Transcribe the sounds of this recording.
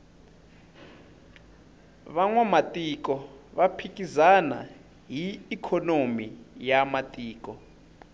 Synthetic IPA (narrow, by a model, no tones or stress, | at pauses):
βaŋwamatʼikɔβapʰik̬ʼizana̰ | ɦiːkʰɔnomijamatʼiːk̬ʼɔ